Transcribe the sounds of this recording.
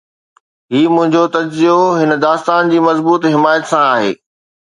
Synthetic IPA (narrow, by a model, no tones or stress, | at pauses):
ɦiːmʊ̃ɦɪ̃ɲd͡ʑot̪ɐd͡ʑzioɦɪnə̆d̪aːst̪aːnd͡ʑiːmɐzbuːt̪ɦɪmaːjət̪sãaːɦḛː